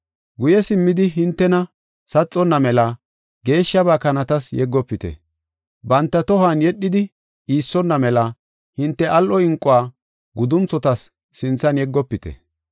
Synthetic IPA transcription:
ɡʊjɛsɪmːɪd̪ɪɦɪnt̪ːɛnɐ | sɐt͡sʼːɔnːɐmɛlɐ | ɡe̞ːʃːɐbaːkɐnɐt̪ɐsjɛɡːɔpːɪt̪ɛ̰ | bɐnt̪ːɐt̪ɔhanjɛɗːɪd̪ɪ | iːsːɔnːɐmɛlɐ | hɪnt̪ːɛʔɐlʔɔɪŋkʼʊaː | ɡʊd̪ʊnt͡sːɔt̪ɐsː | ɪnt͡sːɐnjɛɡːɔpːɪt̪ɛ̰

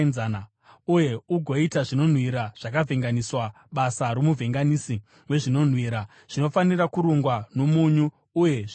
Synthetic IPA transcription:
nzana | uje̞uɡʱo̞itaʐino̞n̤wiɾaʐ̥akavʱeŋɡaniswa | ɓasaɾomuvʱeŋɡanisi | we̞ʐino̞n̤wiːɾa | ʐ̥ino̞fanirakuɾoŋɡwano̞muɲuː | je̞

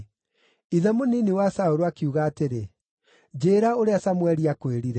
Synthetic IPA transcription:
iðamoniniwasaoɾoakiuɣaːteɾe | d͡ʑeːɾaoɾeasamwɛɾiakweɾiɾɛ

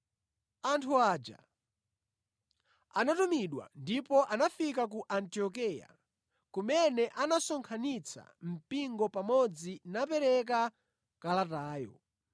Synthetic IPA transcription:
antʰuaːd͡ʒa̰ | anatumiɗwa̰ndipɔʔanafikak̬uʔantiɔk̬ɛja̰ | kumɛnɛʔanasɔŋkʰanit͡sʰa̰m̩piŋɡɔpamɔd͡zinapɛɾɛk̬a | kalataːjɔ̰

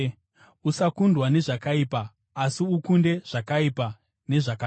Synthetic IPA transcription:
usakundwane̞ʐakaipaː | siukunde̞ʐ̥akaipa | ne̞ʐaka

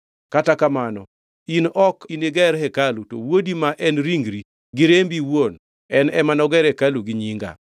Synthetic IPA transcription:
katakamanɔ | inɔkineɡɛɾhɛkaluto̰wodimaʔɛnɾiŋɡɾi | ɡɪɾembiwwon | ɛnɛmanɔɡɛɾɛkaluɡɪɲiŋɡa̰

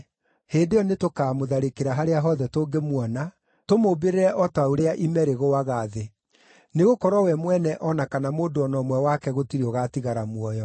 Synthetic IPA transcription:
heːndejɔnetokaːmoðaɾekeɾaɦaɾeaɦɔðɛtoːŋɡemwɔna | tomobeɾeɾɛʔɔtaoɾeaʔimɛɾeɣoaɣaːðe | neɣokɔɾwɔwɛmwɛnɛʔɔnakanamoːndoɔnɔmwɛwakɛɣotiɾiɔɣaːtiɣaɾamwɔjɔ

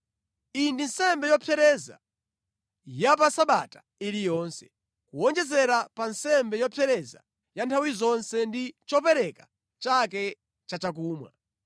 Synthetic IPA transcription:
indinsɛmbɛjɔpʰɛɾɛza̰ | jap̬asaɓatḁ | iɾijɔːnsɛ̥ | kuɔnd͡ʒɛzɛɾapansɛmbɛjɔpʰɛɾɛza̰ | jantʰawizɔnsɛndit͡ʃɔpɛɾɛkḁ | t͡ʃakɛ | t͡ʃat͡ʃakuːmwa̰

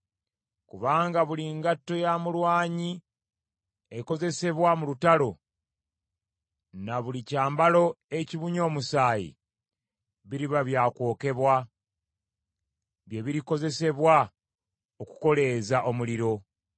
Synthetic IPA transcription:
kuβaːŋɡaβuliŋɡatːo̞jamulwaːɲi | e̞ko̞ze̞se̞βwamulutalo̞ | naβulicaːmbalo̞ | e̞ciβuɲo̞ːmusaːjḭ | βiɾiβaβjaːko̞ːke̞βwa | βje̞βiɾiko̞ze̞se̞βwa | oku̥ko̞le̞ːzaʔo̞muliɾo̞

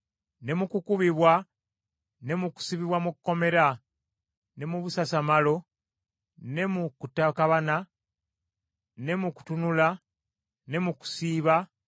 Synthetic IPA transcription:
ne̞mukukuβiβwa | ne̞muku̥siβiβwamukːo̞me̞ɾa | ne̞muβusasamalo̞ | ne̞mukutakaβana | ne̞muku̥tunula | ne̞muku̥siːβa

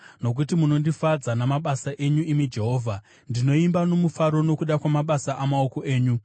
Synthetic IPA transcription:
no̞k̬utimuno̞ndifad͡zanamaɓasaʔe̞ɲuimid͡ʒe̞ɦo̞ːvʱa | ndino̞imbano̞mufaɾo̞no̞kuɗakwamaɓasaʔamao̞ko̞ʔe̞ːɲu

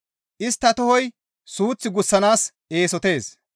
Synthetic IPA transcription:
ʔɪst̪ːɐt̪ɔhɔj | suːt͡sːɪɡʊsːɐnaːs | e̞ːsɔt̪e̞ːs

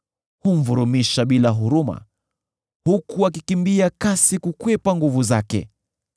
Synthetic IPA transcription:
hum̩vuɾumiʃaɓilaɦuɾuma̰ | hukuakikimbiakasikukwɛpaŋɡuvuzakɛ̰

